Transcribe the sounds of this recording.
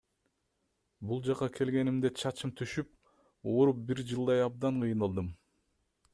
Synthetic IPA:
bulˠd͡ʒɑqɑkʰe̞lɡe̞nimd̪et͡ʃʰɑt͡ʃɯmt̪ʰyʃyp̚ | oɾup̚biɾd͡ʒɯlˠd̪ɑjɑb̚d̪ɑɴqʰɯjnɑlˠd̪ɯm

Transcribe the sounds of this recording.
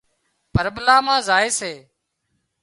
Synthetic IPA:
pəɾɓlaːmãːzaːeːseː

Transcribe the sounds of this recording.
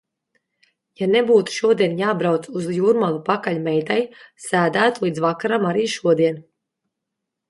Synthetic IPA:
janebuːt̪u̥ʃuɔd̪iɛnjaːbɾawt̪suzjuːɾmalˠupakaʎmɛjt̪ajsæːd̪æːt̪ulˠiːd̪zvakaɾamaɾiːʃuɔd̪iɛn

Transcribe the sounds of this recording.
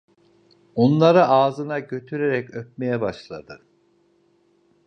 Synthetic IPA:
onlˠaɾɯaːzɯnaɟø̞t̪ʰyɾeɾɛcøp̚me̞jɛbaʃlˠa̰d̪ɯ

